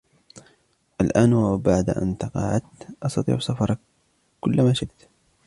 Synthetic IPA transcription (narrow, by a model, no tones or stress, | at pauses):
ʔalʔaːnwabaʕd̪ʔa̰nt̪ɑqɑ̰ʕt̪ʔɑsˤt̪ɑt̪ˤḭːʕsafɑɾˤɑk | kʊlːmaːʃɪʔt̪